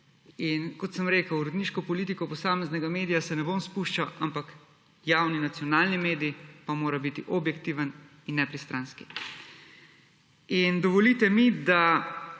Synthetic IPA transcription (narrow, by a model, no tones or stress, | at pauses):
inkɔt̪səmɾeːkəwɾɔd̪niːʃkɔpɔliːt̪ikɔpɔsaːmɛznɛɡameːd̪ijasɛnɛbomspuʃt͡ʃaʔampak | jawninat̪sijɔnaːlnimeːd̪ipamoːɾabit̪iʔɔbjɛkt̪iːʋən | inːɛpɾist̪ɾaːnski | ind̪ɔʋɔlit̪ɛmid̪a